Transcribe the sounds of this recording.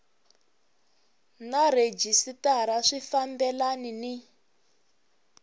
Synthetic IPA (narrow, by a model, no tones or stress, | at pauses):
naɾed͡ʒisitaɾaʂifambɛlanini